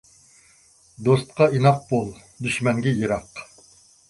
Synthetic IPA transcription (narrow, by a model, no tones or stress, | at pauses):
d̪ost̪̚qɑinɑq̚bolˠ | d̪yʃmɛŋɡʲɛjɨɾɑq